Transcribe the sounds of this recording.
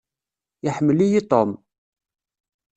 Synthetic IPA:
jəħmːəlijit̪ˤom

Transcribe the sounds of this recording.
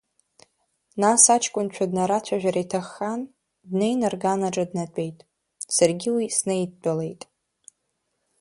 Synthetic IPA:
nasat͡ʃʰkʷʼʊnt͡ʃʷʰadnaɾat͡ɕʷʰaʒᶣaɾajtʰaχːan | dne̞jnɨrɡanaʈ͡ʂʼadnat͡pʷʼe̞jtʼ | sarɡʲiwisnejtt͡pʷʼale̞jtʼ

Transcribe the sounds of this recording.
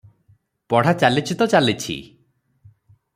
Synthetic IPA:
pɔɽ̤at͡ʃalit͡ʃʰit̪ɔt͡ʃalit͡ʃʰḭ

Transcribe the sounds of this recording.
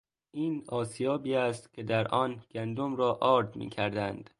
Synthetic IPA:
ʔiːnɒːsijɒːbiːæst̪cʲʰe̞d̪æɾʔɒːnɡ̥ænd̪omɾɒːʔɒːɾd̪mḭːcʰæɾd̪ænd̪̥

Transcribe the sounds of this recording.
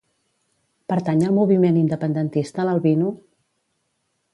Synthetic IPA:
pəɾt̪aɲəlˠmuβimenind̪əpənd̪ənt̪ist̪ələlˠβinu

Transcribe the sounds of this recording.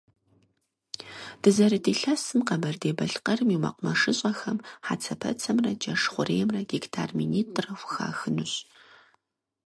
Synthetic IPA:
d̥ɨzɐɾɨdeːɬɐsɨmqɐbɐrdeːbɐɬqɐrɨmiwmɐ̰qʷʊmɐʂɨɕʼɐxɐmħa̰t͡sʰɐpʰɐ̰t͡sʰɐmrɐd͡ʒɐʂχʷʊreːjɛmrɐɡiktʰa̰ːrminiːtʼrɐwʷxa̰ːxɨnʊɕ

